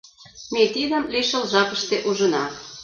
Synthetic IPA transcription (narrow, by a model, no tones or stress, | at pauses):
met̪id̪ə̆mliʃə̆lʒɑpəʃt̪eʔuʒə̆nɑ